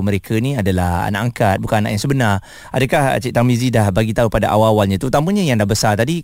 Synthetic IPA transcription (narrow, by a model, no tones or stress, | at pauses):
məɾekʰənĩadalaha̰naʔaŋkat̪̚bukanana̰ʔjaŋsəbənar | adəkaht͡ʃit̪aŋbizidahbaɡit̪aupadaʔawawalɲãt̪ut̪amə̃ɲajaŋdahbəsart̪adi